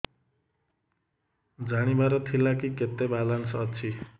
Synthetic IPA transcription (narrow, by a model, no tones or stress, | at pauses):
d͡zaɽ̃ibaɾʌt̪ʰilakiket̪ːebalansʌʌt͡sʰi